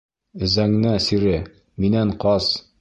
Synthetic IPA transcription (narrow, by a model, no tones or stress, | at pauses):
ɘ̆zæŋnæsiɾɘ | minæɴqɒs